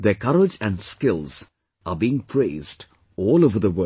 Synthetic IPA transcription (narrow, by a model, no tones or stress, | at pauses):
d̪ekʌɾɪd͡ʒæ̃nɖskɪlz̥ | ʔabiɪ̃ŋpʰɾeːzɖ | ɔːloʋəd̪əʋə